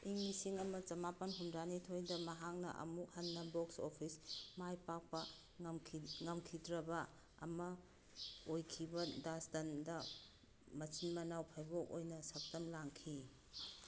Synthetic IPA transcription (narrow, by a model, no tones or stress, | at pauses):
iŋmisiŋɐmɐt͡ʃɐmapɐnɦundanitʰojdɐmɐɦaŋ̚nɐ̰ʔɐ̰muk̚hɐnːɐboksopʰismajpak̚pɐ | ŋɐmkʰidɾɐbɐ | ɐ̰mɐ | ojkʰibɐdastɐndɐ | mɐt͡ʃinmɐnawpʰajbokojnɐsɐk̚tɐmlaŋkʰi